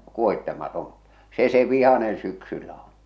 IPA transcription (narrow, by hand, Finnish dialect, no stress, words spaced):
kuohitːemɑton̞ se se ʋihɑnen syksylːæ on̞